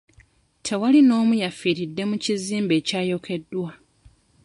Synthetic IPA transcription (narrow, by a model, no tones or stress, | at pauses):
tʰe̞walino̞ːmujafiɾidːe̞muciziːmbe̞ːcaːjo̞kʰe̞dːwa